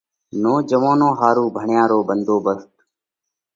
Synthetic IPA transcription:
noːd͡ʒəʋõːnõːɦaːɾuːbʱəɳjãːɾoːbənd̪ʱoːbəst̪

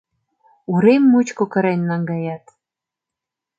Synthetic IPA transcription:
uɾemːut͡ɕkokə̆ɾenːɑŋɡɑjɑt̪

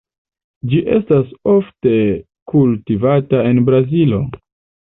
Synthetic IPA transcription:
d͡ʒiʔe̞̰staso̞fte̞ | kultivatae̞nbɾazilo̞

